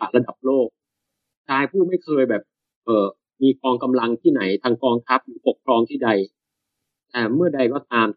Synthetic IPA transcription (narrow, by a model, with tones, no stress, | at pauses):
aː˨˩t̪̚ɾa˧da˨˩p̚loː˥˩k̚ | t͡ɕʰaː˧jpʰuː˥˩ma˥˩jkʰɤː˧jbɛː˨˩p̚ | ʔɤː˨˩ | miː˧kɔː˧ŋka˧mla˧ŋt̪ʰiː˥˩na˩˦jt̪ʰaː˧ŋkɔː˧ŋt̪ʰa˦˥p̚nɯː˨˩˦po˨˩kʰɾɔː˧ŋt̪ʰiː˥˩da˧j | t̪ɛː˨˩mɯ˥˩ɐda˧jkɔː˥˩t̪aː˧m